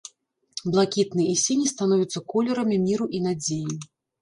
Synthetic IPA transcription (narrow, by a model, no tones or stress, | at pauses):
blˠakʲit̪nɨjisʲenʲist̪anɔvʲit̪sːɐkɔlʲɛɾɐmʲimʲiɾuʔinad͡zʲeji